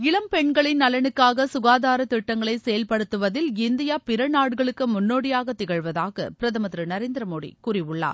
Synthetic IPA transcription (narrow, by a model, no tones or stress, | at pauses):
ɪɭɐmpɛɳɡɐɭɪnːɐlɐnɯkːaːɣɐsʊɣaːðaːɾɐt̪ɪʈːɐŋɡɐɭɐɪsɛjɐlpɐɽɯt̪ːɯʋɐðɪlɪnd̪ɪjaːpɪɾɐnaːɽɯɣɐɭɯkːɯmʊnːoːɽɪjaːɣɐt̪ːɪɣɐɻʋɐðaːɣɐ̰pɪɾɐðɐmɐðɾɯnɐɾeːnd̪ɪɾɐmoːɽḭkuːrɪʋɯɭːa̰ːɾ